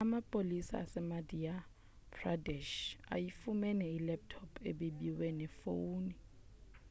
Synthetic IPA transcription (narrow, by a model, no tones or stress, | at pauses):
amapʼolisa̰sɛmadʱia | pʰradɛʃa̰jifumɛnɛilɛp̚tʰɔpʰeɓeɓiwɛnɛfouːni